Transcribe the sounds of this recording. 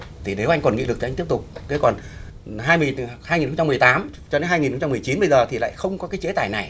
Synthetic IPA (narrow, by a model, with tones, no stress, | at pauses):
t̪ʰi˨˩ne˨˦wʔa˧jŋ̟kɔ˨˩nŋḭ˧˨lɨ˨˩k̪̚ʰt̪i˥əpt̪ʊ˨˩k͡p̚k̪e˨˦kɔ˨˩n | ɦaː˧jm˨haː˧ŋi˨˩nxə˧ŋ͡mt͡ɕa˧m˨˩jt̪aː˨˦m | t͡ɕɔ˧ɗe˨˦nɦaː˧jŋi˨˩nxə˧wŋ͡mt͡ɕa˧mɨ˨˩əjt͡ɕi˨˦nɓə˧jzəː˨˩t̪ʰi˨˩la̰ː˧˨jxə˧wŋ͡mkɔ˨˦kaː˨˦jt͡ɕe˨˦t̪aː˧˩jna˨˩j